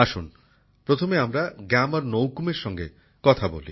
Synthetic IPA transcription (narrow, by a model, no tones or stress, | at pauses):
aʃun | pɾot̪ʰomeamɾaɡɛmaɾnowkumeɾʃɔŋɡḛ | kɔt̪ʰabo̰lḭ